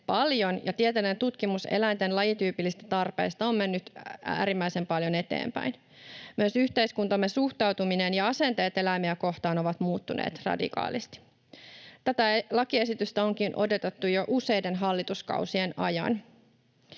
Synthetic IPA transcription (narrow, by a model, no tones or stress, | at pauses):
pɑljo̞njɑt̪iet̪elent̪ut̪kimuse̞̰læint̪e̞nlɑjit̪yːpilːist̪æ̥t̪ɑrpḛːst̪ɑomme̞nːyt̪æ̰ːɾimːæise̞mpɑljone̞t̪ḛːmpæ̰in | myøsyçt̪e̞iskunt̪ɑmːesuht̪ɑwt̪uminenjɑɑse̞nt̪e̞ːt̪e̞læimeæko̞ht̪ɑːno̞ʋɑt̪muːt̪ːunḛːt̪rɑ̰dḭkɑ̰ːlist̪i̥ | t̪æt̪ælɑkie̞sit̪yst̪æo̞ŋk̟inʔo̞do̞t̪et̪ːujo̞ʔuse̞jde̞nɦɑlːit̪uskɑ̰usienɑ̰jɑ̰n